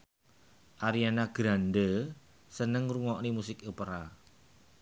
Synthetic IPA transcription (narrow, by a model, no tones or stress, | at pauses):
ʔaɾianaɡ̥ɾandə | sənəŋruŋɔʔnimusɪkupəɾa